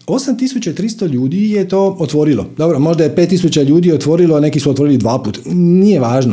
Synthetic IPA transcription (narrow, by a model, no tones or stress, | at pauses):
o̞samt̪isut͡ɕat̪ɾist̪oʎuːd̪ijet̪oːot̪ʋo̞ɾilo̰d̪o̞bɾomo̞ʒd̪ajepe̞ːt̪ːisut͡ɕaʎuːd̪iːjeot̪ʋo̞ɾilone̞kisuot̪ʋo̞ɾilid̪ʋaːpuːt̪nijeʋaːʒno